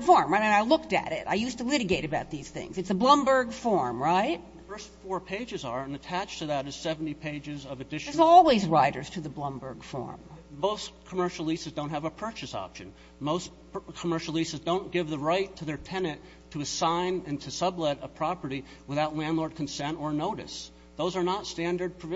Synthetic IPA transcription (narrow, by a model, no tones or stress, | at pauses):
fɔɹmɹaɪɾɨ̃naɪlʊk̚tɨ̰ɾɪ̰ta̰ɪjʉstəlɪɾɨɡeɪɾɨbaʊt̪̚ðiz̥θɪ̰̃ŋzɨtsəblʌ̃mbə˞ɡfɔɹmɹaɪt̚ | fɜ˞stfɔɹpʰeɪd͡ʒɨzə˞ɨ̃nɨtʰæt͡ʃtʰɨðɨɾɨz̥sɛvn̩tipʰeɪd͡ʒɨzʌvɨdɪʃzɔlˠwizɹaɪɾə̰˞z̥tʰɨðəblʌ̃mbə˞ɡ̥fɔ̰ɹmmoʊskʰəmɜ˞ʃl̩ˠlisɨzdõʊ̃nt̚ɦɨvəpʰɜ˞t͡ʃɨsɑ̰pʃɨ̰̃n | moʊs | kʰəmɜ˞ʃl̩ˠisɨzdõʊ̃nɡ̥ɪvðəɹaɪtʰɨðə˞tʰɛnɨ̃tʰɨːsãɪ̃nɨ̃ntʰɨsʌblɛɾəpʰɹ̥ɑpə˞ɾi | wəθaʊtˡlæ̃ndˡlɔɹd̚kʰn̩sɛ̃ntə˞noʊɾɨ̰s | ðoʊzə˞nətstæ̃ndə˞d̚pʰɹ̥ɨv